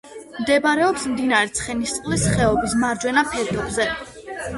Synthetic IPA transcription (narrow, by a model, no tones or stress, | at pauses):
md̪ɛbaɾɛɔpsmd̪inaɾɛt̪sʰχɛnist̪sʼqʼlisχɛɔbis̬maɾd͡ʒwɛnapʰɛɾt̪ʰʼɔbzɛ